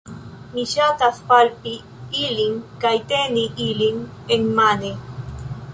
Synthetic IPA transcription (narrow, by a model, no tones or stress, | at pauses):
miʃat̪aθpalpi | iliŋkajt̪eniʔiliŋ | enmane